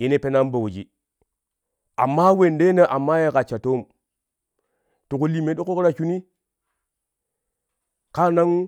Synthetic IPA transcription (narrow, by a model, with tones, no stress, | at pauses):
je˦ne˦pe˦na˦mbo˨wu˨d͡ʒḭ˨ | a̰˨mːa˦we˨nde˦na˦ʔa˨mːa˦ja˦˨ka˨t͡ʃa˨to˦m | tu˨ku˦li˨me˨˦ɗu˦ko˦kɾa˦t͡ʃu˦ni˦ | ka˦na˦ŋ